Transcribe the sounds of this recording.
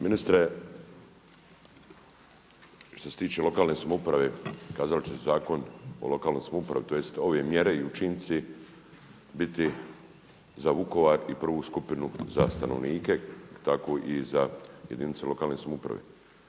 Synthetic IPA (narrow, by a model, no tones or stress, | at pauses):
minist̪ɾe | ʃt̪oset̪iːt͡ʃelo̞kaːlnesamoupɾaʋekaːzalt͡ɕesezaːko̞no̰lo̞kaːlno̞jsamoupɾa̰ʋit̪o̞jest̪o̞ʋe̞mjeɾe̞iut͡ʃint̪si | bit̪i | zauko̞ʋaːɾipr̩ʋuːskupinuza̰st̪anoʋniːke̞t̪akoːʔizajed̪init̪se̞lo̞kaːlneːsamoupɾa̰ʋḛ